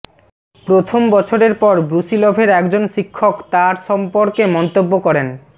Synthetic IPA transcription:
pɾot̪ʰombɔt͡ɕʰoɾeɾpɔɾbɾusilɔbʱeɾɛkd͡ʑonʃikʰːokt̪aɾʃɔmpoɾkemɔnt̪obːokɔɾen

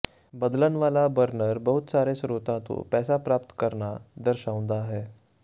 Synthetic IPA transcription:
bəd̪lənʋalabəɾnəɾbəɦut̪saɾesɾut̪ãt̪o̰pɛsapɾap̚t̪kəɾɳad̪əɾɕaʋũnd̪aɦɛ

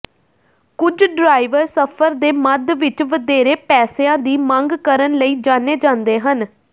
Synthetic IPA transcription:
kʊd͡ʒɖɾaːɪʋəɾsəpʰəɾd̪eːməd̪ʋɪt͡ʃʋəd̪eːɾeːpɛːseãːd̪iːmə̃ŋɡkəɾənləiːd͡ʒãːneːd͡ʒãːnd̪eːɦən

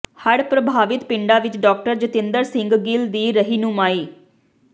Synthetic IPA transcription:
həɽpɾəbʱaːʋɪt̪pɪ̃ɳɖaːʋɪt͡ʃɖɔːk̚ʈəɾd͡ʒət̪ɪ̃nd̪əɾsɪ̃ŋɡɡɪld̪iːɾəɦiːnũːmaːiː

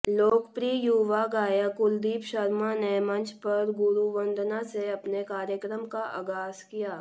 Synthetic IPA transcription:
loːkpɾiːjuʋaɡaːjakʊld̪iːpʃɐɾmanemɐ̃nt͡ʃʰpɐɾɡʊɾuʋə̃nd̪naseɐpnekaːɾjəkɾəmkaʔɐ̰ɡaːskijaː

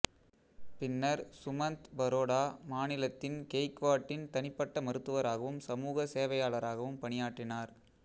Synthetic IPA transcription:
pɪnːɐɾsʊmɐnt̪bɐɾoːɽaːmaːnɪlɐt̪ːɪnkejkʋaːʈːɪnpt̪ɐnɪpːɐʈːɐmɐɾɯt̪ːɯʋɐɾaːɣɐʋɯmsɐmuːɣɐseːʋɐjaːɭɐɾaːɣɐʋɯmpɐɳɪjaːʈːɪnaːɾ

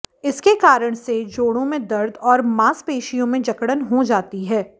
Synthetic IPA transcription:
ɪskekaːɾəɽ̃sed͡ʒoːɽ̃õmẽd̪ɐɾd̪ʱɔːɾmaːspeːʃijõmẽd͡ʒɐkɽənɦod͡ʒaːt̪iɦɛː

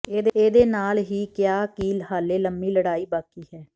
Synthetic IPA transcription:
eːd̪eːd̪eːnaːlɦiːkjaːkiːlɦaːleːləmːiːləɽaːiːbaːkiːɦɛː

